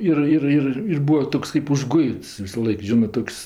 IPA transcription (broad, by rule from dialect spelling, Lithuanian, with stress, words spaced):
ˈɪr ˈɪr ˈɪr ɪr ˈbuːɐ ˈtoːks kɜp ʊʒˈɡʊɪts ʋʲɪsɐˈlˠɐɪk ˈʒʲɪnɜ ˈtoːks